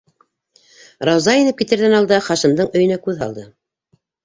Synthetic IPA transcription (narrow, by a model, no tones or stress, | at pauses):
ɾɑwzɑinɘp̚kit̪ɘ̆ɾðænɑlˠd̪ɑχɑʃɤ̆md̪ɤɴɵ̆jɘ̆nækʉðɦɑ̰lˠd̪ɤ